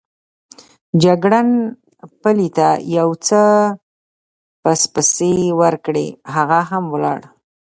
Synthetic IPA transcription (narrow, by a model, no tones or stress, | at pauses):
d͡ʒaɡɽan | pəlit̪ajawt͡sə | pəspəsewəɾkɽḛɦaɣaɦamwlɑ̰ɽ